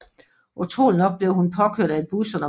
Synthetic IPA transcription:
ʔut͡sʰʁo̰ːlnɒ̽ɡ̥̚b̥le̝ʊhunpʰɒ̽kʰø̰ɐ̰d̥æed̚b̥usɔ̽nɒ

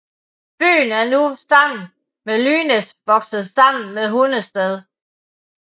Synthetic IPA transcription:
b̥y̰ːn̩æɐnusɑ̈m̰n̩ | melyːnesʋɒ̽ɡ̥sð̩ˠsɑ̈m̰n̩meðˠɦonəsd̥eðˠ

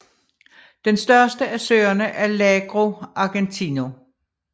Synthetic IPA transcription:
d̥ensd̥ɶɐsd̥əæsø̰ːɐnəʔæɐlɛɡ̥ʁo̝ʔɑ̈ɡ̥ent͡sʰino̝

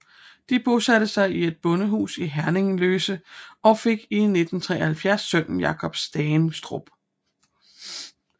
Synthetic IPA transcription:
d̥ib̥o̝sæd̥əsɑ̈ɪie̝d̥̚b̥ɔ̽nəɦṵːsiɦæɐne̝ŋ̩løːsəɒ̽fe̝ɡ̥ine̝d̥n̩t͡sʰʁɛ̰ːɐhælfjæɐsːœn̰njɑ̈kʰɒ̽b̥sd̥ɛːnsd̥ʁob̥

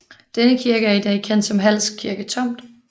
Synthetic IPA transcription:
d̥enəkʰiɐɡ̥əæɐid̥ɛ̰ːkʰen̰d̥sɒ̽mɦæl̰skʰiɐɡ̥ət͡sʰɒ̽m̰d̥

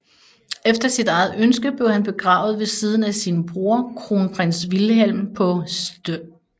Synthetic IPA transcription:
efd̥ɐsid̥ɑ̈ɪð̞̩ˠønsɡ̥əb̥le̝ʊhænb̥e̝ɡ̥ʁɑ̰̈ːʊð̞̩ˠʋe̝siːð̞ˠn̩æsiːnəb̥ʁoɐkʰʁo̝npʰʁen̰sʋilɦel̰mpʰɒ̽sd̥ø

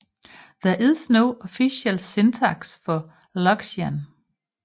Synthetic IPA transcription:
ð̥æɐʔiðˠsnoʊɔfiɕelse̝nt͡sʰɑɡ̥sfɒ̽ | lɒɡ̥sæn

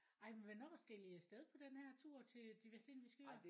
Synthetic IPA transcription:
ɑ̈ɪ̰menʋænɒfɒsɡ̥el̰iəsd̥eð̞ˠpʰɒ̽d̥enhæɐt͡sʰuɐ̰t͡sʰe̝ld̥iʋesd̥e̝nd̥isɡ̥øɐ

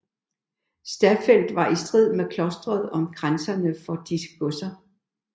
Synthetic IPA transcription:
sd̥æfel̰d̥ʋɑ̈ʔisd̥ʁið̞̰ˠmekʰlɒ̽sd̥ʁɐð̞ˠɒ̽mɡ̥ʁansɐnəfɒ̽d̥isə̥ɡ̥ɔsɐ

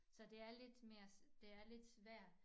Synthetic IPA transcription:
sɒ̽d̥e̝æɐle̝d̥me̝ːɐsd̥e̝æɐle̝d̥sʋæɐ̰d̥

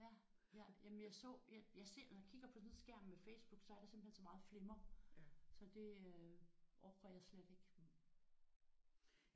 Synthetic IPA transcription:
jæ | jæjæmənjɑ̈ɪsɔ̰ːjajɑ̈ɪse̝ɐ̰nɒjakʰiɡ̥ɐpʰɒ̽sn̩sɡ̥æɐ̰mmefeɪsb̥uɡ̥sɒ̽æɐɾ̥ɑse̝mb̥l̩hensɒmɑ̈ːð̩ˠfle̝mɐ | sɒ̽d̥e̝øʔɒʊɡ̥ʁɐjɑ̈ɪsled̥e̝ɡ̥

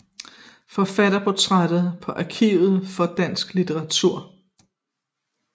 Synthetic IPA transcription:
fɒ̽fæɾɐpʰo̝t͡sʰʁad̥ð̩ˠpʰɒ̽ʔɑkʰḭːʊð̩ˠfɒ̽d̥æn̰sɡ̥lit͡sʰeʁɑ̈t͡sʰuɐ̰

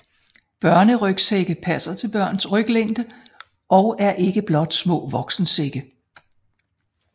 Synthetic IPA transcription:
b̥ɶɐnəʁœɡ̥seɡ̥əpʰæsɐt͡sʰe̝lb̥ɶɐ̰nsʁœɡ̥leŋ̰d̥ə | ʔɒ̽ʊæɐʔe̝ɡ̥əb̥lɒ̽d̥smɔ̰̽ːʋɒ̽ɡ̥sn̩seɡ̥ə

